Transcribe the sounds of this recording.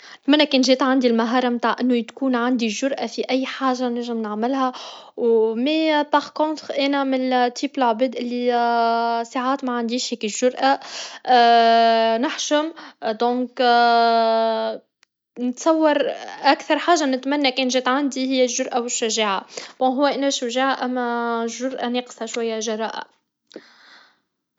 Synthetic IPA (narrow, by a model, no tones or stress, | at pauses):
nɪt̪mænːækɛːnʒɛːt̪ʕand̪ilmaɦɑːɾˤɑmt̪aːʕʔɪnːut̪kuːnʕand̪iʒʊɾˤʔafiʔæjːħaːʒːanɪʒɪmnaʕmɪlɦæ | wmɛbɑʁkõːt̪ʁʔæːnæmɪlt̪ʰːiːpɪlʕbeːd̪ʔɪlːi | saʕaːt̪mæʕand̪iːʃhɛːkɪʒ̥ʊɾˤʔa | nɪħʃʊmd̪ɔ̃ːk | nɪt̪sˤɑwːɑɾˤʔækθɑɾˤħaːʒːanɪt̪mænːækɛːnʒɛt̪ʕand̪ihɪjːæʒʊɾˤʔawɪʃːæʒeːʕab̥̪õːɦʊwːæʔɪnæʃːæʒeːʕaʔæmːæʒːʊɾˤʔaneːqsaʃwæjːæʒɑɾˤɑːʔa̰